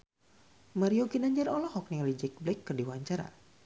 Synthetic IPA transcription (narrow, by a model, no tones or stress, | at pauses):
maɾioɡinaɲd͡ʒɛrɔlɔhɔk̚niɔlid͡ʒɛk̚blɛkːɨrdiwaɲt͡ʃaɾa̰